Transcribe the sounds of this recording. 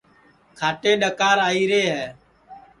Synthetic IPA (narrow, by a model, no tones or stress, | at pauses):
kʰaːʈeːɗəkaːɾaːiːɾeːɦɛː